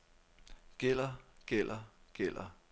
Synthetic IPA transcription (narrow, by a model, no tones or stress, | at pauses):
ɡ̥el̰ɐɡ̥el̰ʔɐɡ̥el̰ɐ